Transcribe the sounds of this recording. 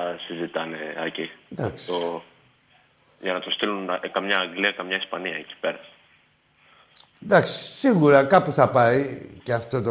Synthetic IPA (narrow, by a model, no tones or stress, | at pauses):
sizit̪ɐneɐcid̪ɐksio | ʝɐnɐt̪ost̪ilunɐkɐmɲɐːŋɡliɐkɐmɲɐispɐniɐeci̥pe̞ɾɐ | d̪ɐksi̥siɣuɾɐkɐpuθɐpɐiceɐft̪ot̪o